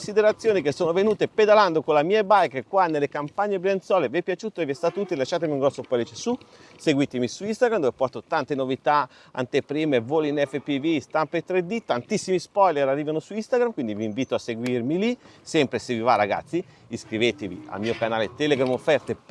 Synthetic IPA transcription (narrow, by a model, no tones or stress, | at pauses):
nsid̪eɾat̪sːjoːnikesːoːnovenuːt̪eped̪aland̪okonlamiːebajkkwanːelːekampaɲːebɾent̪sɔːleviɛpːjat͡ʃuːt̪oeviɛst̪at̪uːt̪ilelaʃːaːt̪̬emiuŋɡɾɔsːopɔlet͡ʃesuseɡwit̪emisuist̪aɡɾamd̪ovepɔst̪ot̪ant̪enovit̪a | a̰nt̪epɾiːmevolinɛfːepivist̪ampet̪ːɾed̪it̪ant̪isːimispɔjleɾarːiːvanosuist̪aɡɾamkwind̪iviːɱviːt̪oaseɡwirmilisɛmpɾesevivaraɡa̰t̪sːiː | skɾiveːt̪evḭa̰lmiːokanaːlet̪ɛleɡɾamofːɛrt̪e